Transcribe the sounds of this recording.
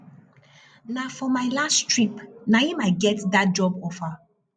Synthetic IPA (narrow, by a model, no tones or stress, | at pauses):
nafɔmaɪlastɹipnajimaɪt̚ɡɛtdat̚d͡ʒɔbɔfa